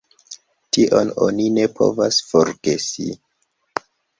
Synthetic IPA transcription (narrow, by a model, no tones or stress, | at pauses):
tiʔo̞no̞nine̞pʰo̰vasfo̞ɾɡ̥e̞sḭ